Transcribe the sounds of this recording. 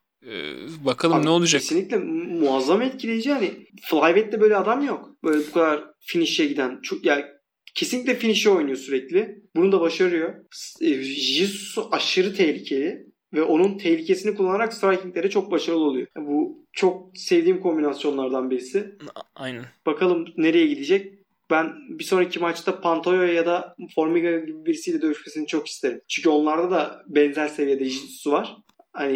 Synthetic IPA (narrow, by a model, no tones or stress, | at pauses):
ɛ̰bakʰalˠmnɛo̞lˠud͡ʒaeinʲiclʲɛmuazːamaɛt̪̚cʰilʲejed͡ʒihanɪflˠajvɛt̪lʲɛbø̞jlʲɛad̪amjokb̥ø̞jlʲɛbukʰad̪aɾfiniʃjɛɟid̪ænt͡ʃʰojaːn | cʰe̞sinʲicʲlʲɛfiniʃɛo̞jnujo̞syɾɛclʲɪbunud̪abaʃaɾɯjo̞sʒɯssaʃɯɾɯt̪ʰɛçlʲicʰe̞lʲɪ | vɛʔo̞nunt̪ʰɛlʲicʰe̞sinikulˠːanaɾakst̪ɾajcʰiŋklʲe̞ɾɛt͡ʃʰo̞k̚baʃaɾɯlˠɯo̞lˠujo̞but͡ʃʰo̞k̚sɛvd̪iːmkʰo̞mbinasjo̞nlˠaɾd̪anbiɾisɪj̪b̥akʰalˠɯmne̞ɾe̞jɛɟid̪id͡ʒɛc̚ | bænbiso̞nicʰimat͡ʃt̪ʰapʰant̪ʰojojajad̪afo̞ɾmiɡaɟibibiɾisijlʲɛd̪ø̞ɾyʃme̞sinit͡ʃʰo̞ki̥st̪ʰe̞ɾimt͡ʃʰyɲcʰyo̞nlˠaɾd̪ad̪abɛnzælʲse̞vije̞d̪ɛʒisusvaɾ̥ | hani